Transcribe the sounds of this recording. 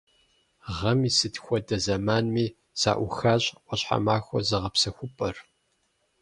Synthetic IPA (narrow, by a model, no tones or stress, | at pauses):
ʁɐmiːsɨtxʷɔdɐzɐmaːnmiː | sa̰ːʔʷʊxaːɕʼqʷɔɕħa̰maːxʷɔ̰zɨʁɐpsɐxʷʊpʼɐr